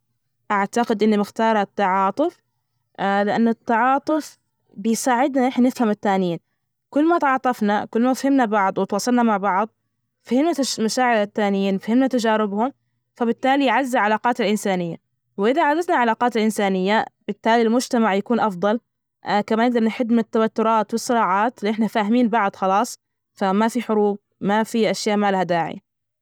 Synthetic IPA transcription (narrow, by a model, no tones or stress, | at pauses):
ʔaʕt̪aqɪd̪ʔɪnːimɪxt̪ɑːɾˤt̪ːɑʕɑːt̪ˤɨf | lɪʔanːat̪ːɑʕɑːt̪ˤɨf | bɪjsaːʕɪd̪naʔɪħnanɪfhamat̪ːaːnɪjiːn | kʊlːmat̪ʕɑːt̪ˤɑfnakʊlːmafhɪmnabɑʕd̪ˤwɪt̪wɑːsˤɑlnamaʕbɑʕd̪ˤ | fhɪmnamaʃaːʕɪɾat̪ːaːnɪjiːnfhɪmnat̪ad͡ʒaːɾɪbhʊm | fabɪt̪ːaːlijʕazːalʕalaːqɑaːt̪alʔɪnsaːnɪjːa̰ | wʔɪðaʕazaznalʕalaːqɑːt̪alʔɪnsaːnɪjːab̥ɪt̪ːaːlilmʊd͡ʒt̪amaʕjakuːnʔɑfd̪ˤɑl | kamanɪɡ̚d̪ɑɾˤnɪħɪd̪mɪnɪt̪ːawat̪ːʊɾˤɑːt̪wɨsˤːɨɾɑːʕɑːt̪liʔɪħnafaːhɪmiːnbɑʕd̪ˤxɑlɑːsˤ | famafiħʊɾuːb̚mafiʔaʃjaːʔmaːlhad̪aːʕɪ̰ja